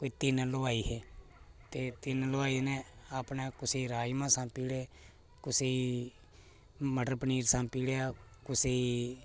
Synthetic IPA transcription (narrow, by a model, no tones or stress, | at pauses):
koːiːt̪ɪnləʋaːiːɦɛː | t̪eːt̪ɪnləʋaːiːnẽːaːpnẽːkʊsiːɾaːjmãːsãːpiːɽeː | kʊsiː | məɖəɾpniːɾsãːpiːɽejaːkʊsiː